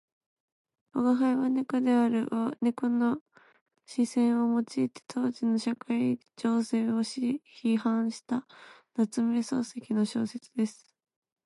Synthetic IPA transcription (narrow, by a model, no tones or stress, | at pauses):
oɡaɦaiβanekod̪e̞aɾɯ̟ʔonekono̞ | ɕisẽ̞ɰ̃o̞mo̞t͡ɕiːt̪e̥t̪ʰo̞ːʑino̞ɕakaid͡ʑo̞ːse̞ːoɕiçihãɰ̃ɕi̥t̪anat͡sɨmeso̞̰ːse̞kʲino̞ɕo̞̰ːse̞t͡sɨd̪e̞sɨ̥